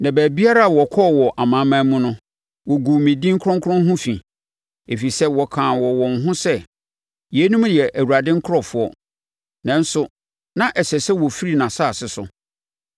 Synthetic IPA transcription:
nã˨bæ˨bi˦a˦ɾa˦a˨wɔ˨kʰɔ˦˨wɔ˨ʔa˨mã˨˦mã˦mʊ̃˦nʊ̃˦ | wɔ˨ɡu˨mẽ˨dĩ˦ŋ̩˦kʰɾɔ̃˦ŋkʰʊ˦ɾɔ̃˦n˦ɦʊ̃˦fĩ˨ | e˨fi˨sɛ˦wɔ˨kʰãː˨wɔ˨wɔ̃˨n̩˨˦ɦʊ̃˦sɛ˦ | jɛ˨˦nũ˦m˦dɪ˨ɛ˨ʔæ˨wu˨ɾa˨dɪ̃˦ŋ̩˦kʰɾɔ˨fʊ˦ɔ˦ | nã˦n̩˦sʊ˦ | nã˦ʔɛ˨sɛ˨sɛ˦wɔ˨fi˦ɾi˨nã˨sa˦˨sɪ˨sʊ̰˨

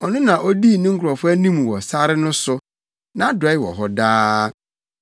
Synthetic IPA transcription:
ɔ˨nʊ̃˦nã˨ʔɔ˦di˦˨nʊ̃˦ŋ̩˦kʰʊ˨ɔ˨fʊ˦æ˦nĩ˦m˨wɔ˨sa˦ɾɪ˦nʊ̃˦sʊ˦ | nã˦dɔ˨˦ɪ˦wɔ̰˨ɦɔ˦daː˦

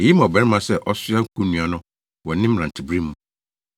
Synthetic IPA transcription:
e˨ji˦mã˨bɛ̃˨˦n˦mã˨sɛ˦ʔɔ˦sʊ˦a˦ŋ̩˦kʰũ˦nũ˨a˨nʊ̃˦ | wɔ˨nɪ̃˦m˨ɾã˨n˨tʰɪ˨bɾĩ˦mũ˨˦

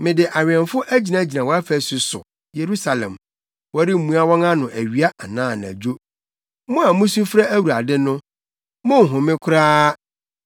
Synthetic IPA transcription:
mɪ̃˨dɪ˨ʔa˨ɥɪ˨ɛ˨mfʊ˦ʔæ˦d͡ʑi˨nã˦d͡ʑi˨nã˨wɔ˦a˦fɛ˦sʊ˨sʊ̰˨ | je˨ɾu˦sa˨lɛ̰̃˨m | wɔ˦ɾɪ˦m̩˨mũ˦a˦wɔ̃˦ŋã˦nʊ̃˨ʔæ˨ɥi˦a˦ʔa˨nãː˦˨na̰˨d͡ʑᶣo˦ | mʊ̃˦a˨mʊ̃˦su˦fɾa˦æ˦wu˨ɾa˨dɪ˦nʊ̃˦ | mʊ̃˦ŋ̩˨ɦʊ̃˨mɪ̃˦kʰʊ˦ɾaː˦

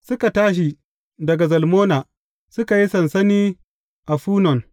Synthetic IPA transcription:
sʊ˦ka˨taː˦ʃ̬i˨ | dɐ˨ɡa˨zɐ˨lmoː˦naː˨ | sʊ˦ka˨ji˦sɐ˨nsɐ˦niː˦ | ʔa˨ɸuː˦nɔ˨ŋ

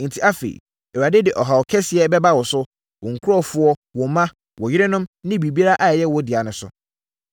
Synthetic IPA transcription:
n̩˨tʰi˦a˦fḛ˨ | ɛ˨a˨dɪ˦dɪ˨ʔɔ˨ɦa˨wɔ˨kʰɛ˦sɪ˨ɛ˦bɛ˦ba˦wɔ˨sʊ˦ | wɔ˨ŋ̩˨kʰʊ˦ɾɔ˦fʊ˦ɔ˦wɔ̃˨mːã˦ | wɔ˨jɪ˦ɾɛ˦nʊ̃˦mnɪ̃˦bi˨bi˦a˦ɾa˦ʔa˨jɛ˦wɔ˦dɪ˨a˨nʊ̃˨sʊ̰˨

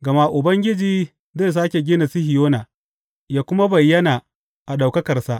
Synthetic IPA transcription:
ɡɐ˨ma˦ʔʊ˨bɐ˦ŋɡʲɪ˦d͡ʒiː˦ | ze˦˨s̬aː˦kʲe˨ɡʲɪː˦na˨sɪ˦hɪ˨joː˦naː˨ | jaː˦kʷʊ˦ma˦bɐ˨jːɐ˦na˨ | ʔa˨ɗa˨wkɐ˦kɐ˨rsa˦ʔ

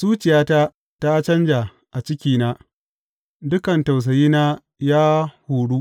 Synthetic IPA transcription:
suː˦t͡ʃɪ˨jaː˦ta˦ | ta˦t͡ʃɐ˦nd͡ʒa˨ | ʔa˨t͡ʃɪ˦kʲiː˦naː˦ | dʊ˦kɐ˨nta˨ws̬ɐ˨jiː˦naː˦ | jaː˦huː˨ɽuː˦ʔ

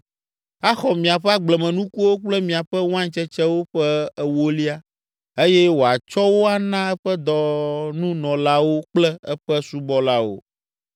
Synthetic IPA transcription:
a˦xɔ˨mĩ˨a˨ɸɛ˦a˦ɡ͡blɛ˨mɛ̃˨nũ˦ku˦wo˦k͡plɛ˦mĩ˨a˨ɸɛ˦wã˦ɲt͡ʃɛ˦t͡ʃɛ˦wo˦ɸɛ˦ɛ˨wo˦li˦a˦ | e˦jɛ˦wo˨a˨t͡ʃɔ˦wo˦a˦nã˦ɛ˦ɸɛ˦d̪ɔ˨nũ˦nɔ̃˨la˦wo˦k͡plɛ˦ɛ˦ɸɛ˦su˦bɔ˦la˦wo̰˨

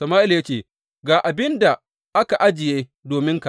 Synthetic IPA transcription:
sɐ˨maː˦ʔɪ˦lja˦t͡ʃeː˦˨ | ɡaː˨ʔa˨bɪ˦nda˨ | ʔa˦ka˨ʔa˦d͡ʒɪ˨jeː˦ | doː˨mɪ˦ŋka˨

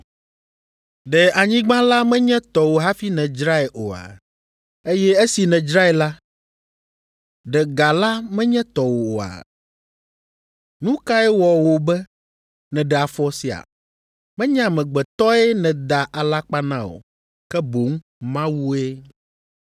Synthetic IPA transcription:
ɖɛ˨a˨ɲĩ˦ɡ͡bã˦la˦mɛ̃˦ɲɛ̃˦t̪ɔ˨wo˨ɦa˦fi˦nɛ̃˨d͡ʒɾa˦e˨ʔo˨a̰˨ | e˦jɛ˦e˦si˨nɛ̃˨d͡ʒɾa˦e˨la˦ | ɖɛ˨ɡa˨la˦mɛ̃˦ɲɛ̃˦t̪ɔ˨wo˨o˨a̰˨ | nũ˦ka˦ɛ˦wɔ˨wo˨bɛ˦ | nɛ̃˨ɖɛ˨a˨fɔ˦si˨a̰˨ | mɛ̃˦ɲã˦˨mɛ̃˨ɡ͡bɛ˨t̪ɔ˦ɛ˦nɛ̃˨d̪a˨ʔa˨la˦k͡pa˦nã˦o̰˨ | kɛ˦bo˨˦ŋ | mã˦wu˦e˦

